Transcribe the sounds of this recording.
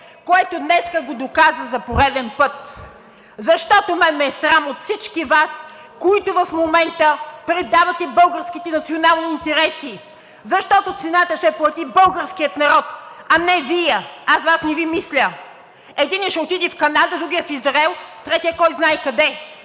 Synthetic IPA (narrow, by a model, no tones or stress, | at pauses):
koɛt̪od̪nɛskəɡod̪okazəzɐpoɾɛd̪ɛnpɤt̪ | zɐʃt̪ɔt̪omɛnmɛːsɾamot̪fsit͡ʃkivas | koit̪ovɐfmomɛnt̪əpɾɛd̪avɐt̪ɛbɤlˠɡəɾskit̪ɛnɐt̪sionalˠniːnt̪ɛɾɛsi | zɐʃt̪ɔt̪ot̪sɛnat̪əʃt̪ɛplˠɐt̪ibɤlˠɡəɾsk̟ijət̪nɐɾɔt̪ɐnɛviɛasvasnɛvimislʲə | ɛd̪inɛʃɛot̪id̪ɛfkɐnad̪əd̪ɾuɡʲijɛfizɾɛlˠt̪ɾɛt̪ijəkɔjznajkɐd̪ɛ